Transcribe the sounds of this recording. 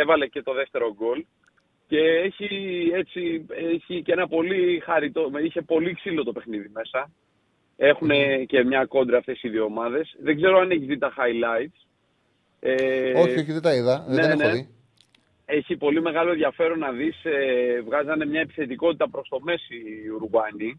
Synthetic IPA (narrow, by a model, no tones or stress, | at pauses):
evɐle̞ce̞t̪o̞ðe̞ft̪e̞ɾo̞ɡo̞l | ce̞eçie̞t͡sieçice̞nɐpo̞lixɐɾit̪o̞içe̞po̞liksilo̞t̪ope̞xniðime̞sɐ | e̞xune̞ce̞mɲɐko̞nd̪ɾiɐft̪e̞siðio̞mɐðe̞sðeɡze̞ɾo̞ɐne̞çizðit̪ɐxɐjlɐit̪s | eoçoçiðit̪ɐiðɐnenei | e̞çipo̞lime̞ɣɐlo̞enðʝɐfe̞ɾo̞nːɐðisevɣɐzɐne̞mɲɐe̞pi̥θe̞t̪iko̞t̪it̪ɐpɾo̞st̪o̞me̞siuɾɣwɐni